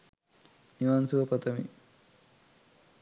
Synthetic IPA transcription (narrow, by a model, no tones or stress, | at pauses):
niʋansuʋɐpɐt̪ɐmḭ